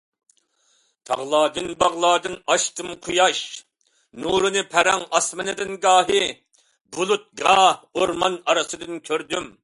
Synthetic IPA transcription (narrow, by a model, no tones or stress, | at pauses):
t̪ʰɑ̰ʁlˠɑːd̪ɨnbɑʁlˠɑːd̪ɨnɑʃt̪ɨmqʰujɑʃ | nuːɾɨnɨpʰɛɾɛŋɑsmɨnɨd̪ɨnɡɑːɦɨ | bulˠut̪̚ɡɑhoɾmɑnɑɾɨsɨd̪ɨnkʲʰøɾd̪ym